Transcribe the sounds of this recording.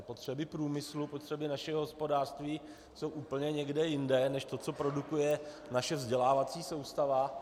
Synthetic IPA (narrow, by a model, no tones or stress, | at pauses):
po̞t̪r̝̥ɛbɪpɾuːmɪslupo̞t̪r̥ɛbɪnaʃɛɦoɦo̞spo̞daːr̥st̪viː | so̞wʔuːpl̩ɲɛɲɛɡdɛjɪndɛnɛʃt̪o̞tt͡so̞pɾo̞dukujɛ | naʃɛvzɟɛlaːvat͡siːso̞wst̪ava